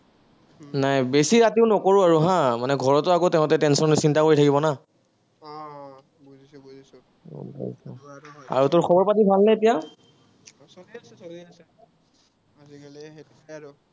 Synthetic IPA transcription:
najbesiɹatiʊnɔkoɹʊaɹuɦãmanɛɡʱɔɹɔtʊakotɛʊ̃tɛtɛnsɔnɔsintakoɹitʰakibɔna | bʱa̰lsɔa̰ɹutʊɹxʰɔbɔɹpatibʱalnajtija

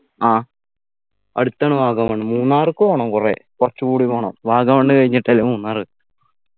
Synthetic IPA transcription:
aː | ɐ̰ɽut̪ːaːɳɨʋaːɡɐmɐɳːɨmuːnːaːrɨkːɨʋoːɳɐmkurḛkurɐt͡ɕːukuːɽiʋoːɳɐ̰mʋaːɡɐmɐːɳɖɨkɐɻiɲːiʈːɐlːɐmuːnːaːrɨ

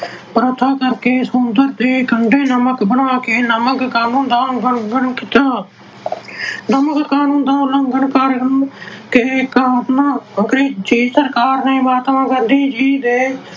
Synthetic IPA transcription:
pɾoːt̪ʰaːkəɾkeːsʊnd̪əɾd̪eːkəɳɖeːnəməkbəɳaːkeːnəməkkaːnũːnd̪aːɡəɳɡəɳkɪt̪aː | nəməkkaːnũːnd̪ãːləŋɡəɳkəɾnkekaːnãːɡɾiːd͡ʒiːsəɾkaːɾnẽːbaːt̪ʋãːɡənd̪iːd͡ʒiːd̪eː

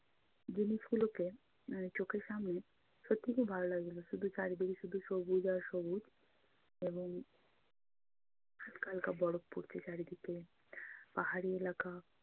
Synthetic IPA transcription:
d͡ʑinifuloke | t͡ʃokeɾʃamne | ʃot̪ːikubʱaɾolaɡeloʃud̪ʱut͡ʃaɾid̪iɡiʃud̪ʱuʃobud͡ʒaɾʃobud͡ʒ | eboŋ | hatkalkabɔɽok̚poɾt͡ɕʰet͡ɕaɾid̪ʱike | paɦaɾielaka

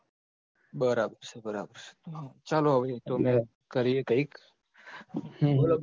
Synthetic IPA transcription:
bəɾaːbəɾsebəɾa̰ːbəɾse̥t̪õt͡ʃaːloɦəʋet̪omɛ̃ː | kəɾijekəik | ɦũɦəl

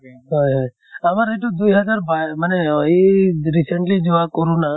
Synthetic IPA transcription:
ɦɔjɦɔj | amaɾeʈud̪ujɦəd͡ʒaɾbajmaneiɾisəɳʈlid͡ʒoʋakoɾũna

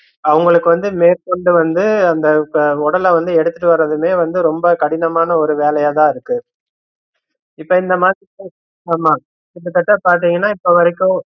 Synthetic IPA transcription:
ɐʋɐŋɡɐɭɯkːɯʋɐnd̪ɯmeːɾkɔɳɖɯʋɐnd̪ɯɐnd̪ɐɔɽɐlɐʋɐnd̪ɯɛɽɯt̪ːɯʈːɯʋɐɾːɐðɯmeːʋɐnd̪ɯɾɔmbɐkɐɽɪnɐmaːnɐɔɾɯʋeːlɐjat̪ãːɪɾɯkːɯ | ɪpːoːɪnd̪ɐmaːðɾieː | laːmaː | ɪpːɯt̪ːɐʈːɐpaːɾʈ̪̬ːiːŋɡɐnːaːɪpːoːʋɐɾɐkːʊ̃

